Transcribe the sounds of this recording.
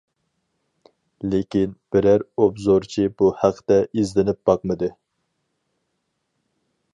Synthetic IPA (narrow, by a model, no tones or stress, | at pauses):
lekʲinb̥ɪɾæɾobzoɾt͡ʃʰibuhæqʰːt̪ɛʔizlɪnɪp̚b̥ɑqmɨd̪ɨ